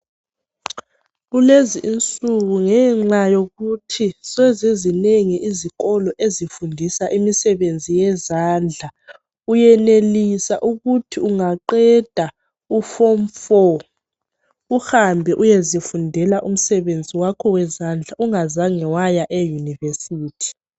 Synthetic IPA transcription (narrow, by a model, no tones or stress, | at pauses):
ɣuleziʔːnt͡sʼuɣuŋɛːŋ͡ǁajoɣutʰisɛzezineŋiʔiziɣɔlɔʔezifundʱisaʔimisɛβend͡zʱijɛzaːnd͡ɮʱa | ujɛnelisaʔuɣutʰiuŋaǃɛd̥ʱa | ufɔmfɔ | uhambʱɛʔujezifundʱɛlaʔum̩sɛβend͡zʱiwakʰɔwɛzand͡ɮʱaʔuŋazaŋɛwajaʔɛjunivesiːtʰi̥